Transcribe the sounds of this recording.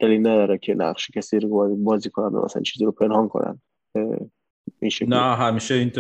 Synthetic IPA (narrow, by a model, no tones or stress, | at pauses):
d̪̥ælilnæd̪ɒɾækʰenæ̰qʃe̥kʲʰæsiːɾozbɒːziːkʰonæmd̪o̰mæ̰sæ̰æ̰nt͡ʃʰiziɾopʰenhɒːnkʰo̰næ̰n | inʃenæɦæmiʃeint̪